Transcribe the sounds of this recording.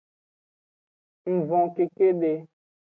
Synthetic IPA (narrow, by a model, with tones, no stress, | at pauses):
m̩˨vɔ̃˨ke˨ke˦ɖe˨